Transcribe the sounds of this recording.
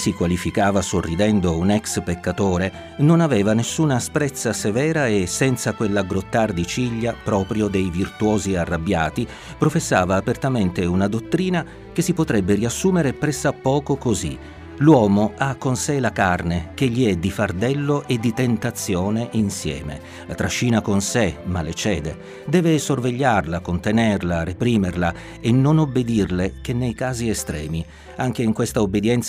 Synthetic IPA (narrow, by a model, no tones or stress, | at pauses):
sikwalifikaːvasorːid̪ɛnd̪ounɛkspekːat̪oːɾe | nonaveːvanesːunaspɾɛt̪sːasevɛːɾaesːɛnt̪sakwelːaɡɾot̪ːard̪it͡ʃiʎːapɾɔːpɾjod̪ejvirt̪wɔːziarːabːjaːt̪i | pɾofesːaːvaːpert̪ament̪eunad̪ot̪ːɾiːna | kesːipot̪ɾɛbːeriasːuːmeɾepɾɛsːapːɔːkokozḭ | lwɔːmoakːonselakarnek̟eʎːiɛd̪ifard̪ɛlːoʔed̪ːit̪ent̪at̪sːjoːneʔinsjɛ̰ːmḛ | lat̪ɾaʃːiːnakonsemalːet͡ʃɛːd̪e | d̪ɛːvesorveʎːarlakont̪enɛrlarepɾiːmerla | enːonobːed̪irlek̟enːejkaːziest̪ɾɛ̰ːmi | aŋk̟eiŋkwest̪aobːed̪jɛnt̪s